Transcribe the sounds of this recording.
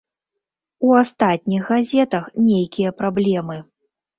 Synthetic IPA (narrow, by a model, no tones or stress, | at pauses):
uast̪at̪̚ʲnʲixɣazʲɛt̪ɐxnʲejkʲijɐpɾablʲɛmɨ